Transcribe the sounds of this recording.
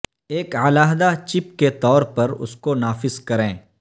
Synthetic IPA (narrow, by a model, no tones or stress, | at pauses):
eːkalaːɦd̪at͡ʃɪpket̪ɔːɾpɐɾʊ̰skonaːfɪzkɐɾẽː